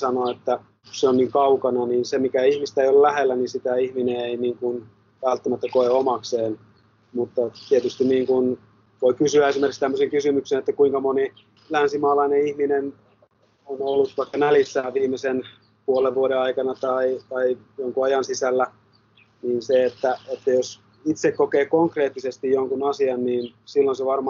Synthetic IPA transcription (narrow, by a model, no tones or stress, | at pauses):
sɑnoet̪ːæ | kusseonniːŋkɑukɑnɑniːnsemikæihmist̪æeijollæhelːæninsit̪æihmineeiniːŋkun | ʋælt̪ːæmæt̪ːækoeomɑkseːn | mut̪ːɑt̪iet̪yst̪inniːŋkun | ʋoikysyæesimerkikst̪æmːøseŋkysymyksenet̪ːækuiŋkɑmoni | lænsimɑːlɑineihminen | onolːut̪ʋɑikːɑnælisːæːʋiːmˑesen | puoleʋʋuoɾeɑikɑnɑt̪ɑit̪ɑijoŋkuɑjɑnsisælːæ | niːnseet̪ːæet̪ːæjos | it̪sekkokeːkoŋkreːt̪ːisest̪ijjoŋkunɑsiɑnniːnsilːonseʋɑrmɑ